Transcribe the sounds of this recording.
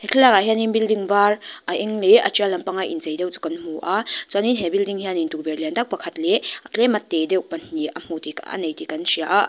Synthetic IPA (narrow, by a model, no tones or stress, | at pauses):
hɛkʰilakaɦianinbildiŋvarʔaʔɛŋlɛʔat͡ʃialɐmpaŋaʔḭnzejdɛwt͡su̥kanm̥uʔat͡saninɦɛbildiŋhianintuk̚bɛrlindak̚pɐkʰatlɛʔaklɛmɐt̪ːɛdɛwpɐn̥ːiʔam̥utika̰nejtikansiaʔaʔ